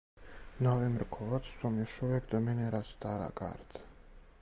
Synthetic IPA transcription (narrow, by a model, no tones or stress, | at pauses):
navɛmɾkʰɔvat̪st̪ʰɔmiʃɔɛkd̪əmɛnɛɾast̪aɾa̰ɡa̰ɾt̪